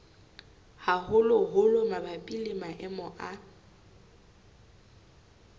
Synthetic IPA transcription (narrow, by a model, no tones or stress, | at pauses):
haɦʊlʊɦʊlʊmabapʼilɪmaʔɪmɔʔa